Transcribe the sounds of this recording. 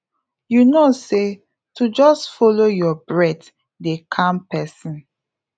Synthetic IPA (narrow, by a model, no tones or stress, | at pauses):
junose | tud͡ʒɔstfolojɔbɹɛd | dekʰãmpɛsĩn